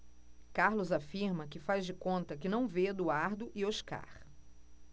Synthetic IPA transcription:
kaɾlʊzafiɾmɐkɪfazd͡ʒɪkõnt̪ɐkɪnɐ̃w̃ved̪ʊaɾd̪ʊʔɪoʃka̰χ

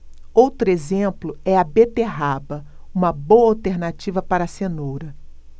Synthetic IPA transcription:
owt̪ɾʊezẽmplʊɛɐbet̪eɦabɐũmɐbowɐawt̪eɾnat͡ʃivɐpaɾɐsenowɾɐ

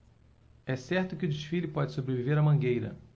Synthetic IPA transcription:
ɛsɛɾt̪ʊkɪʊd͡ʒɪʃfilɪpɔd͡ʒɪsobɾeviveɾɐmɐ̃ɡejɾɐ̰

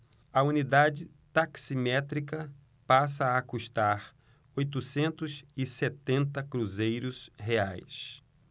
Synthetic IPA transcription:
ɐunid̪ad͡ʒɪ | t̪aksimɛt̪ɾikɐ | pasɐːkuʃt̪aɾ | ojt̪usẽnt̪ʊzɪset̪ẽnt̪ɐkɾuzejɾʊsheajs

